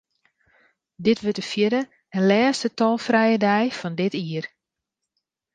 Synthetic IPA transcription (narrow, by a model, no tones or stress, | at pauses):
dɪtʋøtəfjɪdə | ənlɛːstətɔlˠfrɛjədɛjfɔndɪtiər